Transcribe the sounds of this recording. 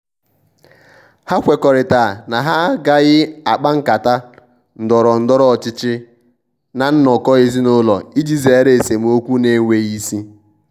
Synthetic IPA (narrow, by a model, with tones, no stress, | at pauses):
ha˦kʷe˨kɔ˨ɾɪ˨ta˨na˨ɦa˦ɡa˦ɣɪ˦a˨k͡pa˦ŋ̩˦ka˨ta˦ | n̩˨dɔ˨ɾɔ˨n̩˦dɔ˦ɾɔ˦˨t͡ʃɪ˦t͡ʃɪ˦ | na˨n̩˦nɔ˨kɔ˦ɣe˦zi˦nʊ˦lɔ˨i˦d͡ʒi˦ze˨˦ɾe˨se˨m˨o˦kʷu˦ne˦ŋʷe˨ɣi˦si˦